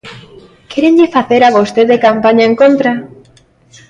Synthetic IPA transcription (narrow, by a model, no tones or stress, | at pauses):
keɾeɲʎɪfaθeɾaβost̪eðekampaɲaeŋkont̪ɾa